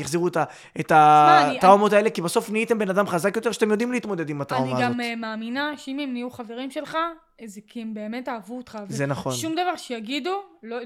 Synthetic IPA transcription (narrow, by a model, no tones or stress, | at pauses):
jaχziʁut̪a | et̪aitʁaomo̞t̪ae̞lekibaso̞fniit̪embe̞nad̪amχazakjot̪e̞ʁʃat̪emjo̞d̪imliit̪mo̞d̪ed̪imat̪ʁaonimaɡaommaːminaʃeimemnijuχave̞ʁimʃe̞lχa | zekiembe̞ːme̞taːvuot̪χazzenaχo̞nʃumd̪avaʁʃejaɡid̪ulo